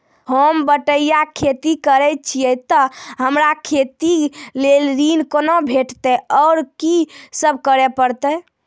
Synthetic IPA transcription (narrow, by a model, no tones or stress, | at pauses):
həmbəʈəijakʰet̪ikəɾɛt̪̚t͡ʃʰijɛt̪ɔɦəmɾakʰet̪ilelɾinkonobʱeʈt̪ɛɔːɾkisəb̚ʱkəɾepəɾt̪ɛ